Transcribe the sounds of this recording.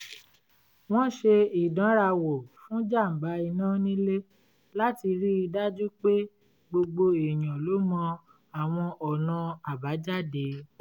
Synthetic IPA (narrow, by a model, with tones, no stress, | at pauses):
w̃ɔ̃˦ʃe˧i˨dã˨˦ɾa˧wo˨fũ˨˦d͡ʒa˦˨m̩˨ba˨˦i˧nãː˦nĩ˦le˦ | la˦ti˧ɾi˦i˧da˦d͡ʒu˦k͡pe˦ | ɡ͡bo˧ɡ͡bo˧e˨j̃ã˨lo˨˦mɔ̃˧ | a˨w̃ɔ̃˧ʔɔ˨nã˧a˨ba˨˦d͡ʒa˦˨de˨˦